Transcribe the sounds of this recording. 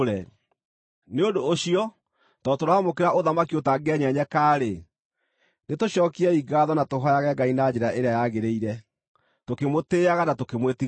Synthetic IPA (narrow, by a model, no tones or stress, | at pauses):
ɾɛ | neondoːɕiɔ | tɔtoɾwamokeɾaʔoðamakiotaɡeɛɲɛɲɛkaːɾe | netoɕɔːkiɛiɡaðɔnatoɦɔjaɣɛɡainad͡ʑeɾaʔeɾeajaɣeɾeiɾɛ | tokemoteːaɣanatokemweti